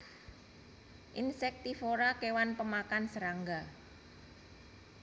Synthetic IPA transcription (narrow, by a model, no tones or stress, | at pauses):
ʔinsɛk̚t̪ifoɾakewanpəmakansəɾaŋɡa